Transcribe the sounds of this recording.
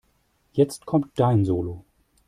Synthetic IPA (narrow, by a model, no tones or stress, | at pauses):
jɛt͡stkʰɔmtd̥aɪnzoːlo